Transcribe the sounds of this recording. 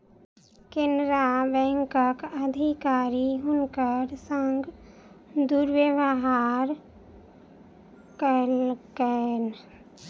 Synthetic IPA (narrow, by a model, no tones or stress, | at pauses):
kɪnɾabɛ̃ŋkəkəd̪ʱikaːɾiɦʊnkəɾsəŋɡ | d̪uɾwjəʋəɦaɾ | kəlken